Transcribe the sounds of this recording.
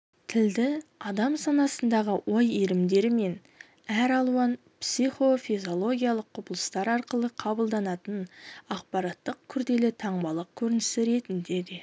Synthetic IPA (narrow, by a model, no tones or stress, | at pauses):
t̪ʰɪld̪ɪɑd̪ɑmsɑnɑsənd̪ɑʁəwo̞jiɾɪmd̪e̞ɾɪme̞n | æɾɑlˠuɑn | psiχo̞fijzo̞lˠo̞ɡʲijalˠəqʰːʊpəlˠə̥st̪ɑɾɑɾqəlˠəqʰɑbəlˠd̪ɑnɑt̪ənɑqpɑɾɑt̪ːəq̚kʲʰʏɾd̪e̞lɪt̪ʰɑɴbɑlˠəq̚kʲʰɵɾɪnɪsɪɾe̞t̪ɪnd̪e̞d̪e̞